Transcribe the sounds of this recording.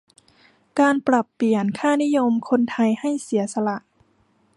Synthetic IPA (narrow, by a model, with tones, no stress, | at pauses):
kaː˧npɾa˨˩pːi˨˩ənkʰaː˥˩ni˦˥˨jo˧mkʰo˧nt̪ʰa˧jha˥˩jsi˨˩˦ɐsa˧la˧˩ʔ